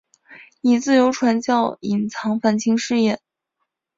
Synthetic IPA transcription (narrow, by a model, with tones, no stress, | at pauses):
i˨˩t͡sɹ̩˥˩jo˧˥ʊʈ͡ʂʰwa˧˥nt͡ɕjɑ˥˩ʊi˨˩nt͡sʰɑ˧˥ŋfa˥˩nt͡ɕʰi˥ŋʂɻ̩˥˧jɛ˥˩n